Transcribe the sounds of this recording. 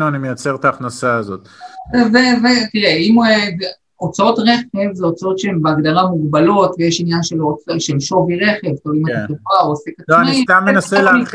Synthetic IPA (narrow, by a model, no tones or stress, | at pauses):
nuanimejat͡seʁt̪aːχnasaːzot̪̚vevetiʁeime | ot͡sao̞tʁeχe̞vzeot͡sao̞tʃeembeaɡdaʁamuɡbalo̞tvejeʃinjanʃelot͡sʃelʃo̞viʁe̞χe̞vt̪olimetaovaoasekat͡soanist̪amːenaselei